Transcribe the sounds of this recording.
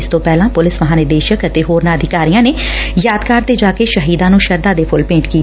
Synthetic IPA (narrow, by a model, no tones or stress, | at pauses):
ɪst̪õːpɛːlãːpʊlɪsʋəɦãːnɪɾd̪eːʃəkət̪eːɦoːɾnaːəd̪ʱɪkaːɾijãːneː | jaːd̪kaːɾt̪eːd͡ʒaːkeːʃəɦiːd̪ãːnũːʃəɾd̪aːd̪eːpʰʊlpẽːɳʈkiː